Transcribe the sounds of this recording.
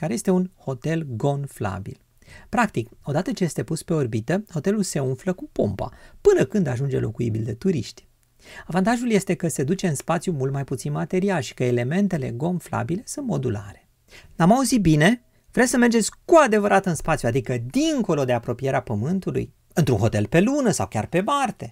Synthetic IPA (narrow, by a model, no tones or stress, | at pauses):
kaɾeje̞st̪e̞unho̞t̪e̞lɡo̞nfla̰bḭl | pɾakt̪iko̞d̪at̪ət͡ʃeje̞st̪e̞puspe̞o̞rbit̪əho̞t̪e̞lulse̞unfləkupo̞̰mpa̰pɨnəkɨnd̪aʒund͡ʒe̞̰lʔo̞̰kujibild̪e̞t̪uɾiʃt̪ʲ | avant̪aʒulje̞st̪e̞kəse̞d̪ut͡ʃe̞ɨnspat̪sjumult̪majput̪sinmat̪e̞ɾialʃi̥kəele̞me̞nt̪e̞le̞ɡo̞nfla̰bile̞sunt̪mo̞d̪ula̰ɾe̞̥ | amauzit̪̚bine̞ | vɾesəme̞rd͡ʒe̞t̪sʲkuad̪e̞vəɾʔat̪ɨnspat̪sjuad̪ikəd̪iŋko̞lo̞d̪e̞apɾo̞pije̞ɾeapəmɨnt̪ulṵj | ɨnt̪ɾunɦo̞̰t̪e̞lpe̞lunəsa̰wkʲa̰rpe̞mart̪e̞